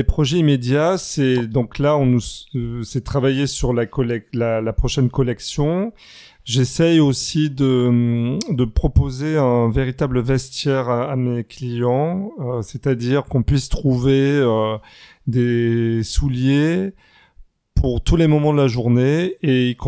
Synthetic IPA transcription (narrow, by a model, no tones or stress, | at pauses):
epχɔʒɛimed̪jasɛd̪ɔ̃klaɔ̃nusɛt̪χavajesyʁlakɔlɛklalapχɔʃɛnkɔlɛksjɔ̃ | ʒesɛjosid̪ə | d̪əpχɔpozeɛ̃veʁit̪abləvɛst̪jɛʁaameklijɑ̃øset̪ad̪iʁkɔ̃pɥist̪χuveø | d̪esulje | pʰuʁt̪ulemɔmɑ̃d̪əlaʒuʁneek